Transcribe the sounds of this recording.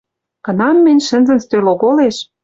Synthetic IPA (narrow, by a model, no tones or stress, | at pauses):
kɤ̆nɑmːɘ̆nʲʃə̆nzə̆nst̪øloɣoleʃ